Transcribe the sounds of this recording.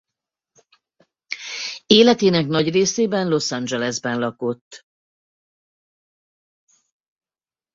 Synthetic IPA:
eːlɛt̪eːnɛknɒɟreːseːbɛnlo̞sɑnd͡ʒɛlɛzbɛnlɒko̞t̪ː

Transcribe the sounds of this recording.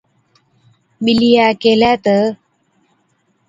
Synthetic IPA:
bilijaːkelat̪ə

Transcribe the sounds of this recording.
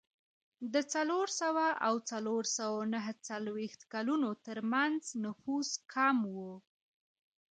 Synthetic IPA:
d̪ət͡saloɾsawaʔawt͡saloɾsawanaɦət͡salwext̪kalunot̪əɾmanznʊfuskʰɑmwu

